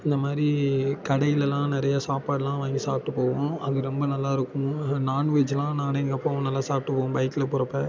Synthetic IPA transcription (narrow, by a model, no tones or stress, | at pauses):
ɪnd̪ɐmaːd̪ɾikɐɽɐjɪlɛlãːnɪɾɐjasaːpaːɽlãːʋãːŋɡisaːp̚ʈːɯpoːʋʊ̃ɐðɯɾɛmbɐnɐlːaːɪɾɯkːʊ̃naːnʋeːd͡ʒlãːnaːneŋɡɐpːoːɐʋ̃nɐlːaːsaːp̚ʈɯpoːʊ̃bɐɪkːɪlɐpʊɾɐpːɛ